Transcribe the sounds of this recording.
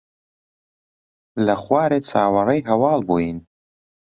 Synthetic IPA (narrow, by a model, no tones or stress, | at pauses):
lɐχwaːɾeːt͡sʰaːwɐrˤɐjɦɐwɑːlˠbuːjin